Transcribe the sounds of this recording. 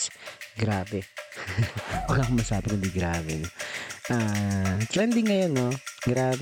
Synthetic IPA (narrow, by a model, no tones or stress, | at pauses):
ɡɾaːbɛ | pɐɡakʊmɐsaːbɪkʊnd̪iɡɾaːbɛnoʔaːt̪ɾɛnd̪ɪŋːɐjonːoɡɾaːb